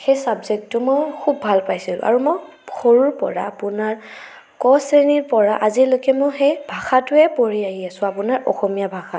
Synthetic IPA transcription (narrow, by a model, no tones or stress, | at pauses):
xejsabzek̚tːʊmɔjkʰubːʱalpajsilʊ̰̃ʔa̰ɹumɔj | xɔɹuɹpɔ̰ɹaːpʊnaɹ | kɔsɹeniɹpɔɹaʔazilojkɛmɔxɛjbʱaxatʊɛpoɹiaɦiasʊ̃apʊnaɹʔɔ̰xɔmijabʱaxa